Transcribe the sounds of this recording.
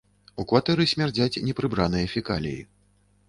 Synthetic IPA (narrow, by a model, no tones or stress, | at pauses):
ukvat̪ɛɾɨsʲmʲard͡zʲat͡sʲnʲɛpɾɨbɾan̪ɨjɐfʲika̰lʲḭjḭ